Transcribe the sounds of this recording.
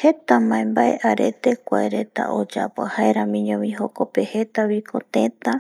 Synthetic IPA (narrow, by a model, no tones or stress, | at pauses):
het̪amãẽmbaeʔaɾe̞̰t̪ekʷaeɾe̞t̪a̰ʔod͡ʒa̰pahaeɾamĩɲõmĩɦokopehe̞t̪aβikʰot̪ẽt̪a